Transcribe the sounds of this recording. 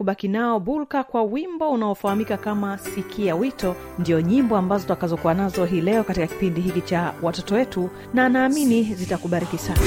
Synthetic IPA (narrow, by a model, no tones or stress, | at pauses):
kuɓakinaɔɓulkakwawimbɔunaɔfahamikakamasikʰijawitɔ | ndiɔɲimbɔambazɔtakazɔkuwanazɔɦiːlɛɔkatikaki̥pindihikit͡ʃawatɔtɔwɛtu | naːnaːminizitakuɓaɾikisana